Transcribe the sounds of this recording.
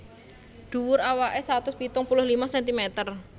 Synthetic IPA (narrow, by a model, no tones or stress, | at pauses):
ɖ̪̥uwʊɾawaʔesɾat̪ʊspit̪ʊŋpulʊhlimasɛnt̪imet̪ər